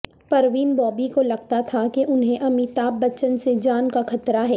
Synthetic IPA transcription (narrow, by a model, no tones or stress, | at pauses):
pɐɾʋiːnbɔːbikolɐɡ̚t̪at̪ʰakeʔʊnɦẽʔɐmit̪aːp̚bɐt͡ʃənsed͡ʒaːnkaxɐt̪ɾaɦɛː